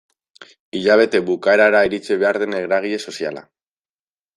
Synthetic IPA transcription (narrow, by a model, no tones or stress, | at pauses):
iʎaβ̞e̞t̪e̞βukae̞ɾaeɾaiɾit͡siβ̞e̞aɾðe̞ne̞ɣɾaɣ̞iʎe̞so̞sia̰la̰